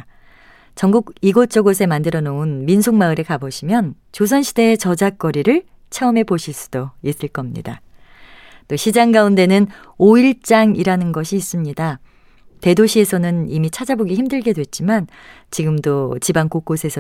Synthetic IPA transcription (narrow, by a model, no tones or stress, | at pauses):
t͡ɕʌŋɡuɡiɡot͡ɕ͈ʌɡosʰe̞mandɯɾʌnounminsʰoŋmaɯɾekaboɕʰimjʌn | t͡ɕos̬ʰʌnɕʰide̞ːt͡ɕʌd͡ʑak͈ʌɾiɾɯɭ | t͡ɕʰeʌme̞poɕʰiɭs͈u̥d̥ois͈ɯɭk͈ʌmɲḭda | t͈oɕʰid͡ʑaŋɡaunde̞nɯn | oiɭt͡ɕ͈aŋiɾanɯnɡʌɕʰiːs͈ɯmɲida | te̞doɕʰie̞sʰʌnɯnimit͡ɕʰad͡ʑaboɡiçimdɯɭɡe̞dwe̞t̚t͡ɕ͈iman | t͡ɕiɡɯmdot͡ɕibaŋkok͈osʰe̞sʰʌ